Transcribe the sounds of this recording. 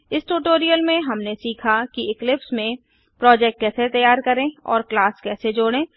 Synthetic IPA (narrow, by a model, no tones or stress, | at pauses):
ɪsʈuːʈoːɾijəlmẽɦɐmnesiːkʰakiɪklɪpsmẽ | pɾɔːd͡ʒɛːk̚ʈ̚kɛːset̪ɐjaːɾkɐɾẽɔ̰ːɾklaːskɛːsed͡ʒoːɽẽː